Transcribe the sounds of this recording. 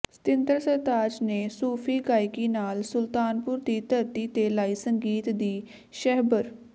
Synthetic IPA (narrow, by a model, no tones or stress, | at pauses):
st̪ɪnd̪əɾsət̪aːd͡ʒneːsuːpʰiːɡaːɪkiːnaːlsʊlt̪aːnpʊɾd̪iːt̪əɾt̪iːt̪eːlaːiːsəŋɡiːt̪d̪iː | ʃɛɦbəɾ